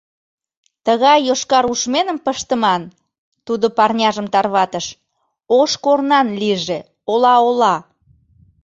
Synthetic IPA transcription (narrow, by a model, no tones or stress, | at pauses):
t̪əɣɑjːoʃkɑɾuʃmenəmpəʃt̪əmɑn | t̪ud̪opɑrnʲɑʒəmt̪ɑrβɑt̪əʃ | oʃkornɑnliʒe | olɑolɑ